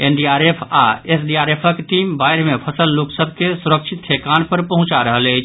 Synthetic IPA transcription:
enɖiaɾepʰa̰esɖiaɾepʰəkʈimbajɾmepʰəsəlːoksəb̚ʱkesuɾək̚t͡ʃʰit̪ʰːekanpəɾpəɦũt͡ʃaɾəɦələjt͡ʃʰ

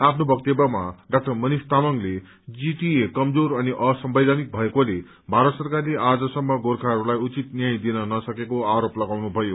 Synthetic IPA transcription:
apʰnobʱʌk̚t̪ebʌma̰ɖak̚ʈʌrmʌnist̪amʌŋle | d͡ziʈiekʌmd͡zoɾʌniʔʌsʌmbʌd̪ʱanik̚bʱʌekole | bʱaɾʌt̪sʌrkarleʔad͡zʌsʌmːʌɡorkʰaɦʌɾulajut͡sit̪njajd̪inʌnʌsʌkekoaɾoplʌɡawnubʱʌjo

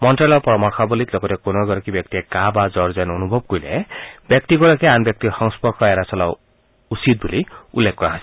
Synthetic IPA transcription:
mɔnʈɾalɔpɔɾɔmɔɾkʰabɔlit̪lɔɡɔtekonɔɡɔɾɔkibjɔkt̪iekabad͡ʒɔɾzanɔnubʱɔb̚kuilḛbjɔk̚t̪iɡɔɾɔkeanbjɔk̚t̪ixɔŋspɔɾkʰɔeɾasɔla | usid̪̚buliulːekʰkɔɾaɦasi̥

